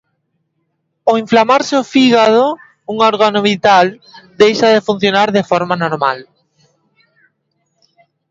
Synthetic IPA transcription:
oiɱflamaɾsɪofiɣaðo | uŋoɾɣanoβit̪ald̪ejʃaðefun̟θjonaɾðefɔɾmanoɾma̰l

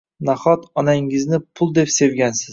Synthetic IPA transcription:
naχɒt̪ɒnaŋɪznɪpʰʊlˠd̪e̞pse̞wɡʲansɪz

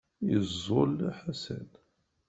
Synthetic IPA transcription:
jəzːolæħasæ̰d

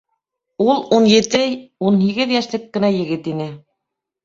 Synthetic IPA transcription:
ulˠunjɘ̆t̪ɘunɦiɡɘðjæʃlɘkːɘ̆næjɘ̆ɡɘt̪inɘ

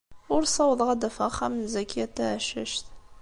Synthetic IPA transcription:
ʊɾsˤɑwðˤʁad̪æfəχamənzækʰiæt̪ːaʕʃə̰ʃt̪

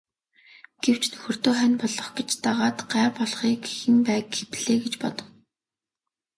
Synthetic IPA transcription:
ɡ̥ew̥t͡ɕnɵxɵ̆r̥t̪oːχænpɔɮɞ̆χɡet͡ɕt̪aʁaːt̪ɢaːrpɔɮχiːkixɘ̆npæːkxepɮeːɡet͡ɕpɔt̪ɞ̆w

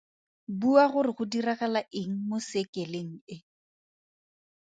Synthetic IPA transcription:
buaɣʊrɪɣʊdiraɣalaʔɪŋ̩mʊsekɛleŋ̩ɪ

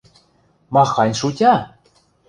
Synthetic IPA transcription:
mɑxɑnʲʃutʲɑ

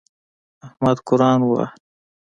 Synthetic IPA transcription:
ahmad̪kʊɾɑːnwa̰

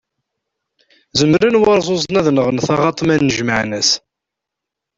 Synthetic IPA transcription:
zəmɾənwɑɾˤzˤozˤnæðnəʁnθɑʁɑt̪ˤmænːəʒməʕnəs

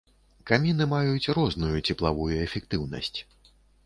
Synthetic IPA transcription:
kamʲinɨmajut͡sʲrɔznujut͡sʲɛplˠavujuɛfʲɛkt̪ɨwnɐ̰sʲt͡sʲ

